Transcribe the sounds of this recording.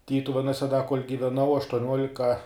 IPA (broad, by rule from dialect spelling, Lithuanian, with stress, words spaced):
ˈtʲiːtʊʋʲɛnuɔsʲɛ dɐ koːlʲ ɡʲɪʋʲɛˈnɐʊ ɐʃtuɔˈnʲuɔlʲɪkɐ